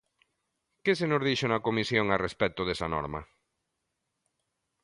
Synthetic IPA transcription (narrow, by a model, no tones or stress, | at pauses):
kesenʊzðiʃʊnɐkomisjoŋarespɛt̪ʊðesɐnɔ̰ɾmɐ̰